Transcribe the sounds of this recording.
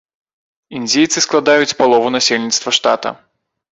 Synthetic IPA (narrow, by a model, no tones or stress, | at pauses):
ind͡zʲejt̪sɨsklˠad̪ajut͡sʲpalˠɔvunasʲelʲnʲit̪st̪vɐʂt̪a̰t̪ɐ̰